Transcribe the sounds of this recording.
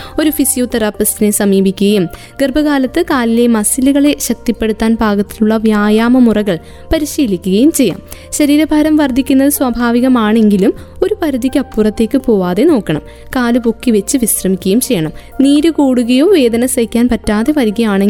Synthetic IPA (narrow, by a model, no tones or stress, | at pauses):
o̞ɾufisijot̪ɐɾaːpːɐsine̞sɐmiːbʱikʲːuɣɐjum | ɡerbʱɐɣaːlɐt̪ːɨkaːlile̞mɐsiluɣɐɭe̞ɕɐk̚t̪ipːe̞ɽut̪ːaːnbʱaːɡɐt̪ːiluɭːɐʋjaːjaːmɐmurɐɣɐɭ | pɐɾiɕiːlikʲːuɣɐjumt͡ɕe̞jːa̰ːmɕɐɾiːɾɐbʱɐːɾɐmʋɐrd̪ʱːikʲːunːɐðɨswɐbʱaːʋiɣɐmaːɳe̞ŋɡilumo̞ɾupɐɾud̪ikʲːɐpːurɐt̪ːe̞ːkːɨpo̞ːʋaːðe̞no̞ːkːɐɳɐ̰m | kaːlupo̞kːiʋe̞t͡ɕːɨʋisrɐmikʲːɐjumt͡ɕe̞jːɐɳɐm | niːɾɨkoːɽuɣɐjoːʋe̞ːd̪ɐnɐsɐikʲːaːnpɐtːaːðe̞ʋɐɾiɣɐjaːɳeŋ